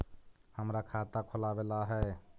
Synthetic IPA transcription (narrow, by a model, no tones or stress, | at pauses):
həmɾakʰat̪akʰolabelaɦɛ